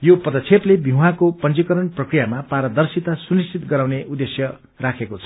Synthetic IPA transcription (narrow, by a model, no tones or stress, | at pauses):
jopʌd̪ʌt͡sʰeplebʱiwɦakopʌnt͡sikʌɾʌnprʌkrijamapaɾʌd̪ʌrsit̪asunistit̪ɡʌɾaw̃neʔud̪esjʌ | rakʰekot͡sʰʌ